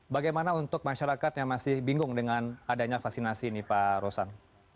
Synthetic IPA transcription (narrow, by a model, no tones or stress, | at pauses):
baɡajmanaunt̪ʊk̚maʃaɾakat̪jaŋmasɪhbiŋɡʊŋdəŋanadaɲafaksinasinipaɾosan